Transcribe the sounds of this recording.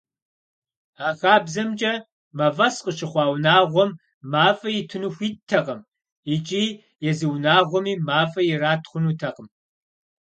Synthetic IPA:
aːxaːbzɐmd͡ʒʼɐ | mɐvɐsqəʃɨχʷɑːwnaːʁʷɔmː | aːfɐjɪtʰɨnuxʷiːttʰːɐqʼəm | ɪt͡ʃʼiː | jɛzɨwnaːʁʷɔmiːmaːfɐjɛraːtʰχʷʊnuːtʰɐqəm

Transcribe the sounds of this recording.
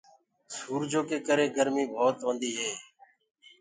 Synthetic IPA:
suːɾd͡ʒoːkeːkəɾeːɡəɾmiːbʱoːt̪ʋə̃nd̪iːɦeː

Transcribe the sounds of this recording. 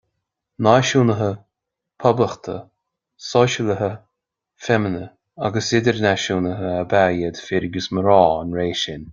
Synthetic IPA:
naʃuːnəɦə | pʰɔbləxt̪ʰə̰ | sɔʃələɦə | fɛmənə | a̰ɡəsɪd̪əɹnaʃuːnəɦəəbajəd̪fɪɾɪɡəsməɾɔːənɾeːʃɪn

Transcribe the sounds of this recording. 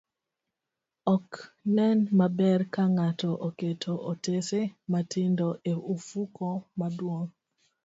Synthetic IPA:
ɔknɛnmabɛrkaŋatɔʔoketʰoʔotesematʰɪndoʔeʔufukomadwoŋ

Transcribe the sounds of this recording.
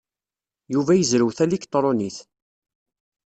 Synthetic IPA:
juvæjəzɾəwθælikt̪ˤɾˤoniθ

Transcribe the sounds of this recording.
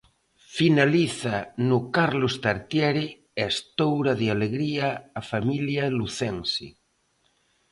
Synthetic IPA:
finaliθanukaɾlost̪aɾt̪jɛɾe | est̪owɾaðealeɣɾiaːfamiljaluθensḭ

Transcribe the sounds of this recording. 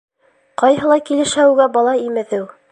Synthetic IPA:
qɑjɦɤ̆lˠɑjkilɘ̆ʃæwɡæbɑlˠɑimɘ̆ðɘw

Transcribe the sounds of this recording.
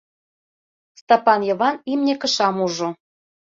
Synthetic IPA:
st̪ɑpɑnjɤ̆βɑnimnʲekə̆ʃɑmuʒo

